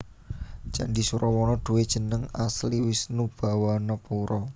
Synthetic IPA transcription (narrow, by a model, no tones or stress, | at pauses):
d͡ʒ̥a̰ɳɖisuɾɔwɔnɔɖ̪̥ṳwed̥ʒ̥ə̤nəŋasliwɪsnub̥a̤wanɔpuɾɔ